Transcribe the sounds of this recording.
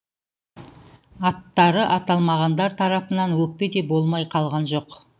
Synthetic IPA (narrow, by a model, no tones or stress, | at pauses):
ɑt̪ːɑɾəʔɑt̪ɑlˠmɑʁɑnd̪ɑɾt̪ʰɑɾɑpənɑnwɵk̚pe̞d̪e̞bo̞lˠmɑjqʰɑlˠʁɑnʒo̞q